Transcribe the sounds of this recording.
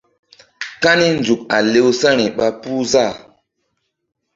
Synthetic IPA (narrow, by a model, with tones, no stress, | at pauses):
ka˦ni˦nd͡ʒu˨ka˨le˦wsa˦ɾ̃i˨ɓa˦pu˦za˦˨